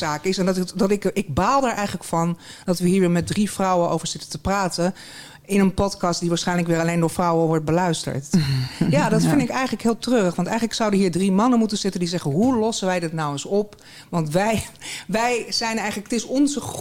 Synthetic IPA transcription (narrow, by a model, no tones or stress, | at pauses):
aːkɪsɛndɑtdɑtɪkɪɡ̚baːlˠdaːɹʔɛjχələkfɑndɑtʋəɦiːɹʋɪːɹmɛt̚drifrʌwənʔo̰wvəɹz̥ɪtəntəpraːtən | ɪnənpɔtkɑstd̥iʋaːɹsχɛjnləkʋɪːɹɑlejndʊːɹfrɔwəʋɔɹt̚bəlœɥstə̰ɹtjaːdɑtfɪndɪkɛjχənləkɦɪːlˠtrøːrəχʋɑntɛjχənləksʌwdəɦiːɹdrimɑnənmutənz̥ɪtəndizɛχəɦulɔsənʋɛjdɪtnɑwənsɔp | ʋɑntʋɛjʋɛjz̥ɛjnɛjχələkətɪsɔnzə